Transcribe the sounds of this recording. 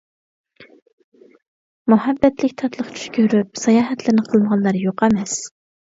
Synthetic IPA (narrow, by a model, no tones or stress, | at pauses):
muɦɑbːɛt̪lɪkʲt̪ʰɑt̪lˠəχt͡ʃʰy̥ʃkʲʰøɾyp̚sɑjɑːɦɛt̪lɪnɨqʰəlˠməʁɑnlˠɑɾjoqɛmɛs